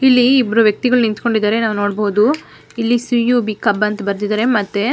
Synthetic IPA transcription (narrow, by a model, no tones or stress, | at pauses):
ilːiːbːɐɾuʋjɐk̚t̪iɡɐɭunint̪ko̞ɳɖid̪aːɾe̞naːʋuno̞ːɽboːd̪u | ilːisijubikɐbɐnt̪ɐbɐɾd̪id̪aːɾe̞mɐt̪ːe